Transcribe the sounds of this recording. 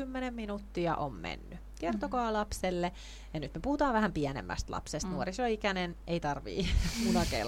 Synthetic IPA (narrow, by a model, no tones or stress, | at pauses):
ymːenemːinut̪ːiɑ̰ʔo̰mmḛnːy | kert̪okɑːlɑpselːe | jɑnyt̪mepuhut̪ɑːʋʋæhæmpiænḛmːæ̰st̪lɑ̰psest̪nuoɾisoikæneneit̪ɑrʋḭːmunɑkḛil